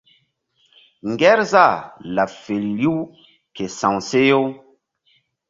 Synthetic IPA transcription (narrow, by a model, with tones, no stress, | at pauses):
ŋɡɛ˦ɾza˦˨la˨fe˨lli˦w | ke˨sã˨wse˦jo˦